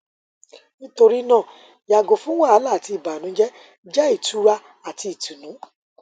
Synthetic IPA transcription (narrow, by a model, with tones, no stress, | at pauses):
nĩ˦to˧ɾi˦nã˦˨ | ja˨ɡo˨fũ˦w̃ã˦a˨˦la˦˨ti˧˨ba˨nũ˨˦d͡ʒɛ˦ | d͡ʒɛ˦i˦˨tu˨˦ɾa˧ | a˨ti˧i˨tu˨nũ˨˦